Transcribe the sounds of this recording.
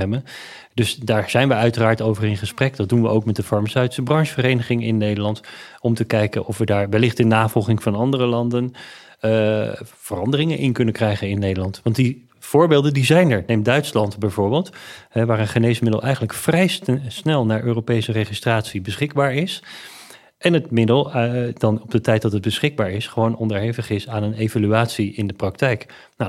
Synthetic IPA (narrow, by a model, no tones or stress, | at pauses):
ɛbən | dɵsdaːɹz̥ɛjnʋəœɥtəraːɹtowvərɪnχəsprɛkdɑt̚dunʋəʔowkmɛtdəfɑɹmasœɥti̥səbrɑŋsfərejnəχɪŋɪnːejdəlɑntɔmtəkɛjkənʔɔfʋədaːɹʋɛlɪχtənːaːvɔlˠχɪŋvɑnɑndərəlɑndən | v̥ərɑndərɪŋənʔɪ̰nkɵnənkrɛjχənɪnːejdəlɑntʋɑnt̚di | v̥ʊːɹbeːlˠdəndizɛjnɛɹnejmdœɥtslɑntbɛjvʊːɹbeːlˠtɦɛʋaːɹənχənejsmɪdəl̩ˠʔɛjχənləkfrɛjsnɛlˠnaːɹʔøːrowpejsəreχistraːtsibəsχɪɡ̚baːɹɪs | ʔɛnətmɪdəlˠdɑnɔbdətɛjt̚dɑtɦəd̚bəsχɪɡ̚baːɹɪsχəʋownɔndəɹɦejvəχɪsaːnənejvalyaːtsiɪndəprɑk̚tɛjk | na